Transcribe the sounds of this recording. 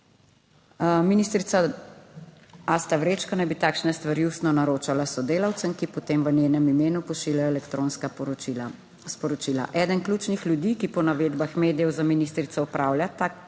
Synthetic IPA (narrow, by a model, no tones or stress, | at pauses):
miniːst̪ɾit̪sa | ast̪aʋɾet͡ʃkɔnajbit̪aːkʃnɛst̪ʋaɾjust̪nɔnaɾoːt͡ʃalasɔd̪eːlawt̪səmkipɔt̪eːmʋənjeːnɛmimeːnupɔʃiːljajɔɛlɛkt̪ɾoːnska | spɔɾɔt͡ʃiːla̰ʔɛːd̪ənklʲuːt͡ʃnixljud̪iːkipɔnaʋeːd̪baxmeːd̪ijɛwzaminist̪ɾit̪sɔɔpɾaːwljat̪a